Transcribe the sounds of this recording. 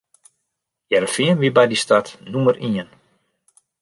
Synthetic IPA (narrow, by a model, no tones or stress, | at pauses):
jɛɾəfɪənʋibɛjdistatnuməriən